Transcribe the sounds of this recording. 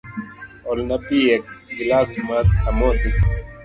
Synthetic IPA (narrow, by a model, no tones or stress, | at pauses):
olnɐpiːek̚ɡilaːsmɐt̪̚hɐmoːt̪i